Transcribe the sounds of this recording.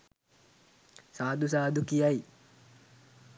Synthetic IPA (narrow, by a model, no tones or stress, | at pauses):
saːd̪usaːd̪ukijaj